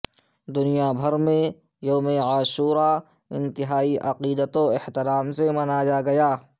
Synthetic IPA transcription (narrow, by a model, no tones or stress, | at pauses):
d̪ʊnijabʱɐɾmẽ | joːmeaːʃuːɾa | ɪ̰̃nt̪ɪɦaːiʔɐqiːd̪ət̪oɪht̪ɪɾaːmsemɐnad͡ʒaɡɐjaː